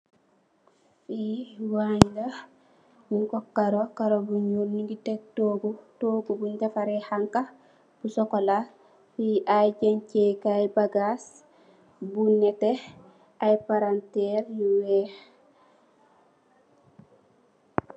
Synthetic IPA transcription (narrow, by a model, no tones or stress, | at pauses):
fiwaɲina | miŋkɔkːaɾokaɾobuɲulniŋɡitɛk̚toːɡutoːɡubuɲɟafaɾɛhaŋka | b̥usɔkɔla | fiʔajɟaɲcekajbaɡas | bunːɛtɛ | ajpaɾantɛɾjiwɛːh